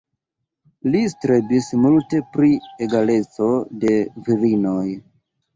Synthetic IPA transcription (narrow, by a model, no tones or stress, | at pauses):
listɾe̞bismulte̞pɾieɡale̞t͡so̞de̞viɾino̞j